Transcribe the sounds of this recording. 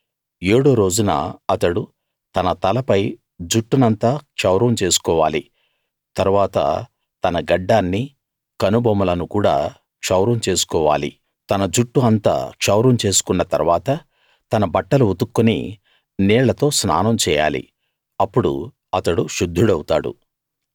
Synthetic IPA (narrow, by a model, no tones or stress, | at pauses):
eːɽo̞ːɾo̞ːd͡ʒunɐ̰ɐt̪ɐɽu | t̪ɐnɐt̪ɐlɐpɐj | d͡ʒuʈːunɐnt̪aːkʂɐwɾɐmt͡ʃe̞ːsu̥kɔːʋaːli | t̪ɐɾuʋaːt̪ɐ̰ | t̪ɐnɐɡɐɖːaːnːi | kɐnubʱɐmɐlɐnukuːɽa̰ː | kʂɐwɾɐmt͡ʃe̞ːsu̥kɔːʋa̰ːlḭ | t̪ɐnɐd͡ʒuʈːuɐnt̪a̰ːkʂɐwɾɐmt͡ʃe̞ːsu̥kunːɐt̪ɐ̰ɾʋaːt̪ɐ | t̪ɐnɐbɐʈːɐluut̪ukːunḭ | nɛːɭɐt̪o̞ːsnaːnɐmt͡ʃɛːja̰ːlḭ | ɐpːuɽṵ | ɐt̪ɐɽuʃud̪ʱːuɽɐwut̪aːɽṵ